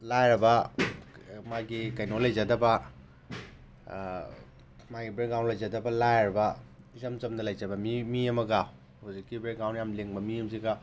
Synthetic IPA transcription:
lajɾɐbɐ | maɡikɐjnolɐjzadɐbɐ | maɡibɾek̚daw̃nlɐjzadɐbɐlajɾɐbɐ | zɐmt͡ʃɐmdɐlɐjd͡ʒɐbɐmimiɐmɐɡa | hozikːibɾek̚dawntjamleŋbɐmiɐmsiɡa

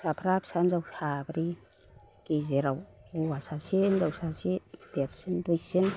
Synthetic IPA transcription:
sapʰɾapsanzawsabɾi | kizeɾawuwasasinzawsasid̪eɾsindujsin

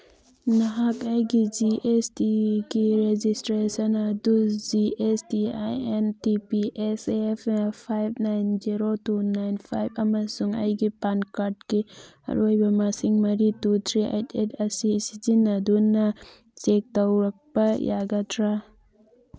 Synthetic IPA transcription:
nɐɦakajɡid͡ʒiʔestiɡiɾed͡ʒistɾesɐnɐdud͡ʒiestia̰jentipiʔesepʰnɐpʰajb̚najnziɾotunajnpʰajbʰɐmɐsuŋɐ̰jɡipankaɾt̚ki | ɐ̰ɾojbɐmasiŋmɐɾitutʰɾia̰jtʰetʰɐsisizinːɐdunɐ | sek̚tɐwɾɐk̚bɐjʔaɡatʰɾa

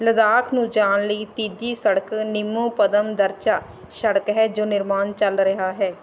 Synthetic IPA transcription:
ləd̪aːkʰnũːd͡ʒaːnləiːt̪iːd̪iːsəɽəknɪmːõːpəd̪əmd̪əɾt͡ʃaː | ʃəɽəkɦɛːd͡ʒoːnɪɾmaːnt͡ʃəlɾəɦaːɦɛː

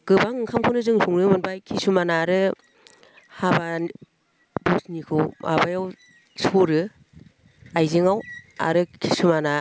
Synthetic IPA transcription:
ɡ̥ɯbaŋɯŋkʰamkʰɯnɯzɯŋsuŋnɯmɯnbajkʰisumanaɾɯ | haban | busnikʰɯwmʔa̰bajaw | soɾɯ | ajzeŋawa̰ɾɯkʰi̥sumana

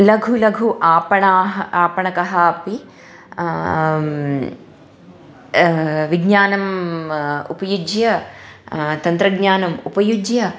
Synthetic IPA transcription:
lɐɡʱulɐɡʱuʔaːpɐɳaːɦɐaːpɐɳɐkɐɦaːpi | ʋiɡɲaːnɐm | ṵpɐjud͡ʒjɐ | t̪ɐnt̪ɾɐɡɲaːnɐmupɐjud͡ʒjɐ

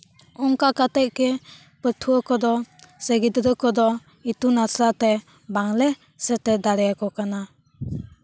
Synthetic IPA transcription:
ɔŋkakateʔ̚ke | pətʰuɔkɔd̪ɔseɡidɾɯkʰɔd̪ɔ | itunasate | baŋle | səted̪aɾɛjakɔkana

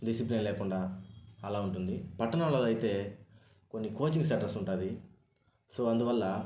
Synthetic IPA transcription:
ɖisiplinlɛːkuɳɖaːɐlaːuɳʈund̪ipɐʈːɐnaːlɐlɐjit̪e̞ː | ko̞nːikoːt͡ʃiŋksɐʈɐɾsuɳʈaːd̪i | soːɐnd̪uʋɐlːɐ

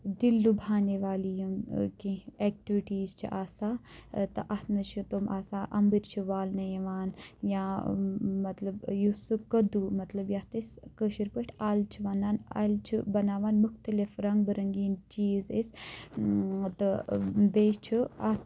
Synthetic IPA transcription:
d̪ilːubʱaːneʋaːlijumkĩeːk̚ʈiʋiʈiːzt͡ʃʰḭʔaːsaːt̪ɐʔɐt̪mɐt͡ʃʰit̪omʔaːsaːʔɐmbiɾt͡ʃʰiʋaːlnɐjɐʋaːnjãː | mɐt̪lɐbjusɨkɐd̪umɐt̪lɐbjɐht̪ɐskəʃiɾpəʈʲʰaːlt͡ʃʰiʋaːnaːna̰lt͡ʃʰibɐnaːʋaːnmuxt̪ɐlifɾɐŋɡ̚bɨɾɐŋɡiːnt͡ʃiːzḛs | t̪ɐbeːt͡ʃʰiɐ̰t̪

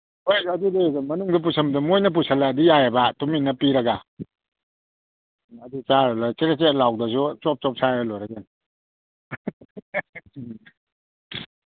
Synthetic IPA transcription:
hojɐdudimɐnuŋdɐp̬usʰɐmdumojnɐp̬usʰalːaːdijajabatuminːɐpiɾɐɡa | ɐdut͡ʃaɾalat͡ʃeɾet͡ʃet̚lawdɐsut͡ʃɔp̚t͡ʃɔp̚sʰajbalɔjɾaɡen

